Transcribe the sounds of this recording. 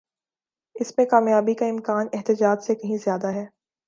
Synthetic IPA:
ɪsmẽkaːmjaːbikaɪ̃mkaːnɛɦt̪ɪd͡ʒaːd͡ʒsekɐɦĩzjaːd̪aɦɛː

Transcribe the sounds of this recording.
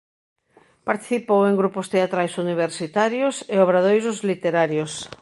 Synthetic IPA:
paɾt̪i̥θipowẽŋɡɾupʊst̪eat̪ɾajsuniβ̞eɾsit̪aɾjʊseoβ̞ɾaðojsʊzlit̪eɾaɾjos

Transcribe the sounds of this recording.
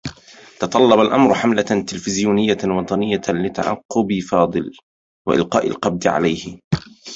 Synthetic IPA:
t̪ɑt̪ˤɑlːɑbalʔamɾħamlat̪ɪlfɪzjuːnɪjːawɑt̪ˤɑnɪjːalɪt̪a̰ʕɑ̰qːʊbɪfɑːd̪ˤɨl | wa̰ʔɪ̰lqɑːʔa̰lqɑb̚d̪ɪʕa̰lajhɪ

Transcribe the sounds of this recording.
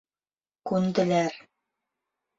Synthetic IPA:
kʉnd̪ɘ̆læɾ

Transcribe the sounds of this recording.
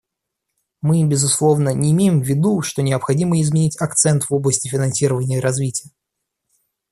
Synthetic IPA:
mɨbʲɪzʊslˠo̞vnənʲɪːmʲejɪmvʲːɪd̪uʂt̪o̞nʲɪəpxɐdʲiməɪzmʲɪnʲitʲɐkt̪sɛnt̪vo̞blˠəsʲtʲɪfʲɪnɐnsʲiɾəvənʲɪjəɾɐzvʲitʲɪjə

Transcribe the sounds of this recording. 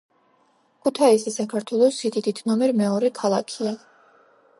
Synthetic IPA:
kʰut̪ʰaisɛsakʰaɾt̪ʰwɛlˠɔsid̪id̪id̪ʰnɔmɛɾmɛɔɾɛkʰalˠakʰia

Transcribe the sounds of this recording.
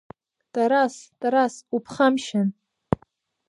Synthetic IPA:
tʼaɾastʼaɾasupʰχamʃan

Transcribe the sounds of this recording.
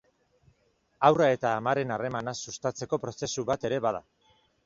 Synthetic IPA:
awrae̞t̪aːmaɾe̞nare̞manasust̪at͡se̞ko̞pɾo̞se̞suβat̪e̞ɾe̞βað̞a

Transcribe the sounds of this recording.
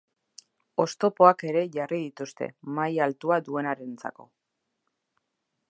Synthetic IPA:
o̞st̪o̞po̞ake̞ɾe̞ʝariðit̪ust̪e̞̰majalt̪uad̪ue̞naɾe̞nt͡sa̰ko̞

